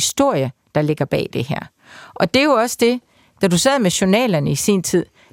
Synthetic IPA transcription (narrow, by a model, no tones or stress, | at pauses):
sd̥o̝ɐ̰jəd̥ɑ̈le̝ɡ̥ɐb̥ɛ̰ːd̥e̝hæɐ̰ | ʔɒ̽d̥e̝jo̝ɒ̽sə̥d̥e̝ | d̥æd̥usɛð̩ˠmeɕo̝nɛ̰ːlɐnəisḭːnt͡sʰið̞̰ˠ